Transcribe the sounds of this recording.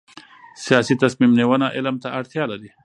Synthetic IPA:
sijɑsit̪asmimnewənaʔɪlmt̪aʔaɽt̪jɑlaɾi

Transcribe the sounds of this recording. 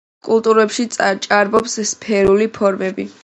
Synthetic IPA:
kʼulˠt̪ʼuɾɛpʃit̪sʼt͡ʃʼaɾbɔpsspʰɛɾulipʰɔɾmɛbi

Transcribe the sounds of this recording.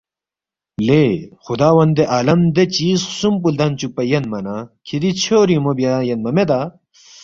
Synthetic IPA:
lexud̪aːwɐnd̪eʔaːlɐmd̪et͡ɕiːssumpuld̪ɐnt͡ɕuk̚pɐjɐnmɐnakʰid̪it͡ɕʰoːɾimobjajɐnmɐmed̪a

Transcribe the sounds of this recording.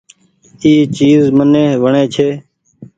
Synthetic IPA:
iːt͡ʃiːzmənẽːʋəɳeːt͡ʃʰeː

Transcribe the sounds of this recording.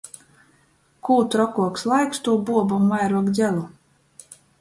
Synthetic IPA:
kuːt̪ɾɔkuɔkslˠajkst̪uɔbuɔbumajɾuɔkd̪zʲælˠu

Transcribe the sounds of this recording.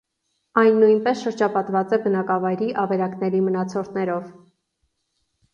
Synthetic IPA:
ɑjnːujnpɛsʃəɾd͡ʒɑpɑt̪vɑt͡sɛbənɑkɑvɑjɾiʔɑvɛɾɑknɛɾimənɑt͡sʰɔɾt̪nɛɾɔv

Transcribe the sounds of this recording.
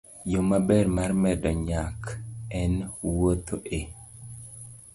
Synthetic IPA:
jomabɛɾmaɾmɛdɔɲakɛnwot̪ʰoʔe

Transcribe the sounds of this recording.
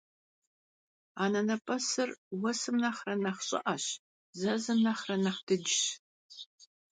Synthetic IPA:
aːnɐnɐpʼɐsɨrwɐsɨmnɐχrɐnɐχɕʼɪ̰ʔɐɕ | zɐzɨmnɐχrɐnɐχdɨd͡ʒɪɕ

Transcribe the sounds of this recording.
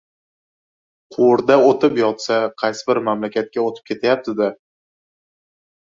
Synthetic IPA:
qʰʊɾd̪aot̪ɪpjɒt̪saqʰɑjsɪbɪɾmamlakʲat̪̚kʲaot̪ʰɪ̥p̚kʲe̞t̪ʰajap̚t̪ʰɪd̪a

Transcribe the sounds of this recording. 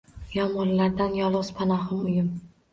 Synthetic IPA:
jɒmɒllaɾd̪anjɒlˠɒzpʰanɒɦɨmʊjɪm

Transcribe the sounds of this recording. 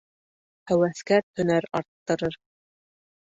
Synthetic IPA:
hæwæθkæt̪ʰɵ̆næɾɑɾt̪ːɤ̆ɾɤɾ

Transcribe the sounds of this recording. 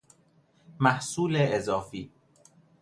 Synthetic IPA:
mæhsuːleʔezɒːfiː

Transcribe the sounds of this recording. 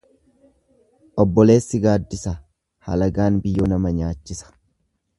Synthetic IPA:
ʔɔbːɔle̞ːsːɪɡaːd̪ːɪsɐ | hɐ̰lɐɡaːnbɪjːonɐmɐɲaːt͡ʃːɪsɐ̥

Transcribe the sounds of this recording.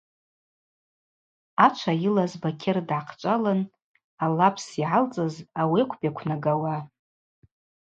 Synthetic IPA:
at͡ʃʷʰajɪlazbakʲʰɪrdʕaqʰt͡ʃʷʼalɨn | alapʰsiʕalt͡sʼɨzawiakʷʰpjakʷʰnaɡawa

